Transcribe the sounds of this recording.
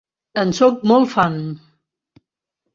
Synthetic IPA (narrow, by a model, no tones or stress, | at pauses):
ənsɔk̚mɔlˠfan